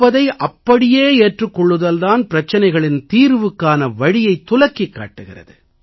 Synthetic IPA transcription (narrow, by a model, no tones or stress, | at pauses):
ɐðɐɪʔɐpːɐɽɪjeːeːʈrɯkːɔɭːɯðɐlðaːnpɪɾɐt͡ʃːɐnɐɪɣɐɭɪnt̪iːɾʋɯkːaːnɐʋɐɻɪjɐɪt̪ːʊlɐkːɪkːa̰ːʈːɯɣɪrɐ̰ðɯ̰